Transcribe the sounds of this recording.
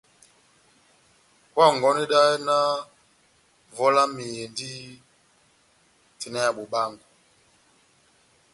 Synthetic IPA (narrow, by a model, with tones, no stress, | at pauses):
kwa˦˨ŋ˨ɡɔ˨˦ni˦ɗa˦i˦na˦ | vɔ˦la˦mi˨je˨ndi˦ | ti˨na˦ja˨ɓu˨ɓa˦˨ŋɡu˨